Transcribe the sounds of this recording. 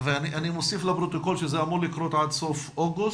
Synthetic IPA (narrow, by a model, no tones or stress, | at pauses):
veaniʔanimosiflapɾot̪oko̞lʃezeamuʁlikɾot̪ʕad̪sofoɡu